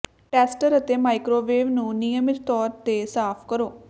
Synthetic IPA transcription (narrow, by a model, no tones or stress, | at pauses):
ʈɛːsʈəɾət̪eːmaːɪkɾoːʋeːʋnũːnɪjəmɪt̪t̪ɔːɾt̪eːsaːpʰkəɾoː